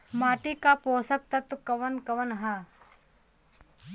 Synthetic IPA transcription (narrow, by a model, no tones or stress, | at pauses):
maːʈikapoːsɐk̚t̪ɐt̪ukɐʋɐnkɐʋənɦa